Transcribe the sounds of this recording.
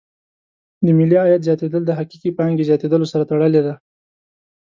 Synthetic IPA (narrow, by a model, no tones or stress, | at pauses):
d̪əmɪliɑjat̪zjɑt̪ed̪əld̪əɦaqiqipɑŋɡezjɑt̪ed̪əlosaɾat̪aɽəled̪a